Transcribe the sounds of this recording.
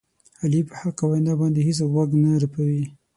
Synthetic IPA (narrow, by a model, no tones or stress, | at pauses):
halipəhaqawajnɑbɑnd̪eɦis̬awaɡnaɾapawi